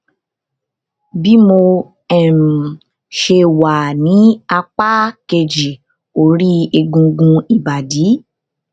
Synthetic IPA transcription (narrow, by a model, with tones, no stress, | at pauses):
bi˦mo˧ | ɛ˨m̩˨ | ʃe˧wa˨nĩ˨˦a˧k͡pa˦ke˧d͡ʒi˨ | o˨ɾi˦e˧ɡũ˧ɡũ˧i˨ba˨di˨˦